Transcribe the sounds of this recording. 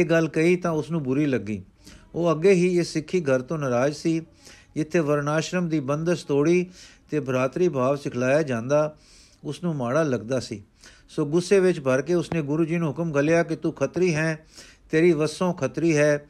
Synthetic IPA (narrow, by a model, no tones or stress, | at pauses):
eːɡəlkəiːt̪ãːʊsnũːbʊɾiːləɡːiː | oːəɡːeːɦiːɪsːɪkʰːiːɡʱəɾt̪õːnəɾaːd͡ʒsiː | d͡ʒɪt̪ʰːeːʋəɾnaːʃɾəmd̪iːbənd̪əst̪oːɽiːt̪eːbəɾaːt̪ɾiːbʱaːʋsɪkʰlaːjaːd͡ʒãːnd̪aː | ʊsnũːmaːɽaːləɡd̪aːsḭː | soːɡʊsːeːʋɪt͡ʃbəɾkeːʊsnẽːɡʊɾuːd͡ʒiːnũːɦʊkəmɡəlɪjaːkɪt̪uːkʰət̪ɾiːɦɛ̃ː | t̪eːɾiːʋəsːõːkʰət̪ɾiːɦɛː